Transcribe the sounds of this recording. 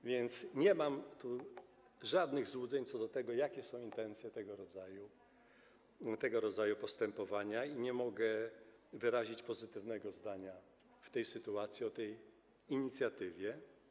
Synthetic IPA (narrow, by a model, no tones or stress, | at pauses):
vʲjɛnt̪sɲɛmamt̪u | ʐad̪nɘɣzwud̪zɛɲt̪sɔd̪ɔt̪ɛɡɔjakʲɛsɔ̃w̃int̪ɛnt̪sʲjɛt̪ɛɡɔɾɔd̪zaju | t̪ɛɡɔɾɔd̪zajupɔst̪ɛmpɔvaɲaiɲɛmɔɡɛvɘɾaʑit͡ɕpɔzɘt̪ɘvnɛɡɔzd̪aɲa | ft̪ɛjsɘt̪uat̪sʲjiɔt̪ɛj | iɲit̪sʲjat̪ɘvʲjɛ